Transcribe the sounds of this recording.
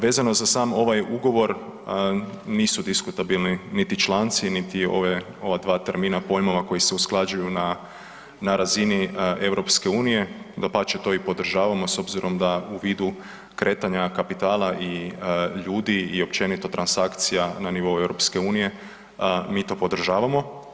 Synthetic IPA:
ʋe̞ːzano̞zasaːmo̞ʋajuɡo̞ʋo̞ɾ | niːsud̪iskut̪abilˠninit̪it͡ʃlˠaːnt̪sinit̪io̞̰ʋe | o̞ʋad̪ʋaːt̪eɾminapo̞jmoʋako̞jise̞usklˠad͡ʒujuna | naɾazinie̞ʋɾo̞pske̞uːnije̞d̪apat͡ʃet̪o̞ːipo̞d̪r̩ʒaːʋamo̞so̞bziɾʔo̞md̪auʋiːd̪u | kɾʔe̞ːt̪aɲakapit̪aːlˠaʔiʎuːd̪iːo̞pt͡ʃe̞nit̪o̞t̪ɾansakt̪sijananiʋo̞ue̞ʋɾo̞pske̞uːnije̞ | miːt̪o̞ːpo̞d̪r̩ʒaːʋamo̞

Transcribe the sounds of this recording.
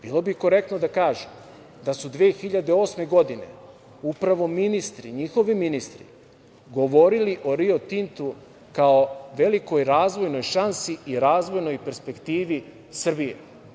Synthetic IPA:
b̥ilˠo̞biko̞ɾe̞kt̪nod̪akaːʒem | d̪asud̪ʋeːxiʎad̪eo̞ːsme̞ɡo̞d̪ine̞̰ | upɾaʋo̞minist̪ɾiɲixo̞ʋiminist̪ɾḭ | ɡo̞ʋo̞ɾiliʔo̞ɾio̞t̪int̪u | kaoʋe̞liko̞jɾaːzʋo̞jno̞jʃansiiɾaːzʋo̞jno̞jpe̞ɾspe̞kt̪iːʋi | sr̩bijḛ

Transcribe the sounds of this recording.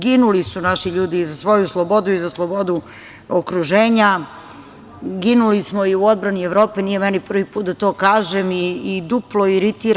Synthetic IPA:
ɡinulisunaʃiʎuːd̪izasʋo̞juslˠobo̞d̪uizaslˠobo̞d̪u | okɾuʒeːɲa | ɡinulismoiuo̞d̪̚bɾanieʋɾo̞ːpenijemɛnipr̩ʋipuːt̪d̪at̪o̞ːkaːʒemiːd̪uplˠoiɾit̪iːɾ

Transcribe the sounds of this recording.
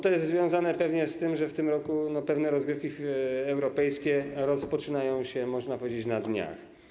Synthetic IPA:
t̪ɔjɛst̪zvʲjɔ̃w̃zanɛpɛvɲɛst̪ɘmʐɛft̪ɘmɾɔkunɔpɛvnɛɾɔzɡɾɘfkʲiɛwɾɔpɛjskʲɛɾɔspɔt͡ʂɘnajɔ̃w̃ɕɛmɔʐnapɔvʲjed͡ʑet͡ɕnad̪ɲa̰x

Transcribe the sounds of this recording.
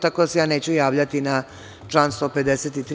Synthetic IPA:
t̪ako̞d̪asejaːne̞ːt͡ɕujaːʋʎat̪ina | t͡ʂlˠaːnst̪o̞ːpe̞d̪eset̪it̪ɾ

